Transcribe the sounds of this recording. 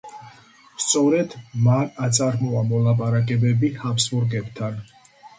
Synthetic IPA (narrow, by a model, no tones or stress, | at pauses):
st̪sʼɔɾɛd̪manat̪sʼaɾmɔamɔlˠapʼaɾakʼɛbɛbihapʰsbuɾɡɛbt̪ʰan